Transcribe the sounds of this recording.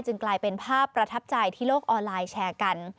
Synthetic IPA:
t͡ɕɯ˧ŋklaː˧jpe˧npʰaː˥˩pːɾa˧t̪ʰa˦˥p̚t͡ɕa˧jt̪ʰiː˥˩loː˥˩k̚ʔɔː˧nlaː˧jt͡ɕʰɛː˧ka˧n

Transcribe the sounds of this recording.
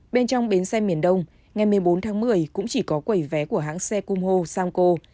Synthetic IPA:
ɓe˧nt͡ɕɔ˧wŋ͡mɓe˨˦nsɛ˧mi˨˩ənɗə˧wŋ͡m | ŋa˨˩jmɨ˨˩əjɓo˨˦nt̪ʰaː˨˦ŋmɨ˨˩əjkʊ̰˧˥ŋ͡mt͡ɕi˧˩kɔ˨˦kwə˧˩jvɛ˨˦ku˧˩əɦa̰ː˧˥ŋsɛ˧ku˧mho˧saː˧mko˧

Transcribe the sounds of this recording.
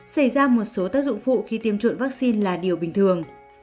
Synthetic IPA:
sa˧˩jzaː˧mo˨˩t̚so˨˦t̪aː˦˥k̚zʊ̰˧˨ŋ͡mfṵ˧˨xi˧t̪i˧əmt͡ɕwə̰˧˨nvaː˦˥k̚si˧nlaː˨˩ɗi˨˩əwɓï˨˩ŋ̟t̪ʰɨ˨˩əŋ

